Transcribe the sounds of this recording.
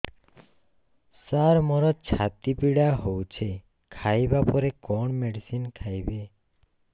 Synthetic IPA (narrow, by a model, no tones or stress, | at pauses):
saɾmɔɾɔt͡ʃʰat̪ipiɽaɦowt͡ʃʰe | kʰajbapɔɾekɔɳmeɖisinkʰajbe